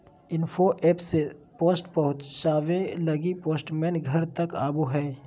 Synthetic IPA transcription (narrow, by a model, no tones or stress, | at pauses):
ɪnfʰoʔɛːpsepoːsʈpɐɦʊ̃t͡ʃsaːʋẽləɡipoːsʈmɛːnɡʱəɾt̪əka̰ːbuɦɛː